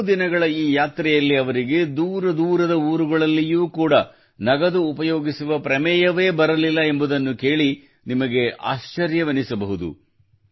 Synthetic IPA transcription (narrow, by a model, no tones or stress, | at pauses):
d̪inɐɡɐɭɐiːjaːt̪ɾɛjɐlːiɐʋɐɾiɡe̞d̪uːɾɐd̪uːɾɐd̪ɐuːɾuɡɐɭɐlːijuːkuːɽɐ | nɐɡɐd̪uːpɐjoːɡisuʋɐpɾɐmɛːjɐʋe̞ːbɐɾɐlilːɐe̞mbud̪ɐnːuke̞ːɭi | nimɐɡe̞a̰ːʃt͡ʃɐɾjɐʋɐnisɐbɐɦud̪ṵ